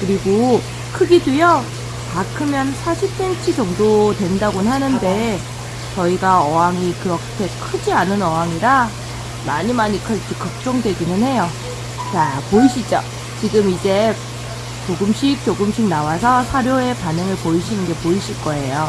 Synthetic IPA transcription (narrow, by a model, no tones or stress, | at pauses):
kɯɾiɡo | kʰɯɡidijʌ | kakʰɯmjʌnsʰaɕʰip̚s͈e̞nt͡ɕʰid͡ʑʌŋdotwe̞ndaɡonɦanɯnde̞ | t͡ɕʌiɡaʌɦaŋikɯɾʌkʰe̞kʰɯd͡ʑianɯnʌɦaŋiɾa | maɲimaɲikʰʌtikʌk̚t͡ɕ͈ʌŋdwe̞ɡinɯnhe̞jo | t͡ɕapoiɕʰid͡ʑʌ | t͡ɕiɡɯmid͡ʑe̞ | t͡ɕoɡɯmɕʰik̚t͡ɕ͈oɡɯmɕʰik̚nawasʰʌsʰaɾjoe̞panɯŋɯɭpoiɕʰinɯnɡe̞poiɕʰiɭk͈ʌe̞jo